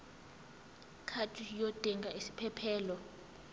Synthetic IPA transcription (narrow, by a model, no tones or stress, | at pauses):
kʰatʰʼujotʼɛŋɡʱaisi̥pʰɛpʰɛːlɔ